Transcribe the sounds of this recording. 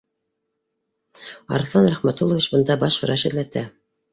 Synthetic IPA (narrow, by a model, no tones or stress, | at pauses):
ɑ̰ɾɤ̆θlˠɑnɾæχmæt̪ulˠovʲit͡ɕbɤ̆nd̪ɑbɑʃχɤ̆ɾɑʃɘ̆læt̪æ